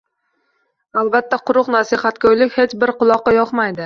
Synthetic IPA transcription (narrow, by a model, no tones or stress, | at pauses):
alˠbat̪ʰːaqʊɾʊqnasɪhat̪kʲajlɪkʲhe̞t͡ʃbɪɾqʊlˠɒqːɑjɒqmajd̪ɪ